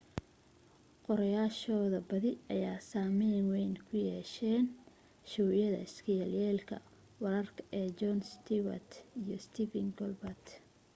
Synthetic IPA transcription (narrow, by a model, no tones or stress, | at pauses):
qɔɾɐjaːʃɔːðɐbɐðɪʔɐjaːsaːmɪːnwɛjnkʰʊjɛːʃɛːn | ʃɔwjɐðɐ̰ɪskʰɐjɐljɛːlkʰɐ̰ | wɐɾɐrkʰɐ̥ʔɛːd͡ʒɔnst̪ʰɪwɐ̰t̪ijɔst̪ʰifɪŋɡɔlbɐt̪